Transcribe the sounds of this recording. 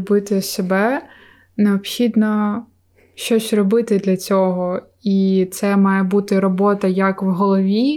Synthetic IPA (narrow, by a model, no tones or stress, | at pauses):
bɪt̪ɪsebɛ | neɔpxʲid̪nɔ | ʃt͡ʃɔsʲrɔbɪt̪ɪd̪lʲɐt͡sʲɔɦɔ | it̪sɛmɑjɛbut̪ɪɾɔbɔt̪ɐjɐkwɦɔlˠɔʋʲi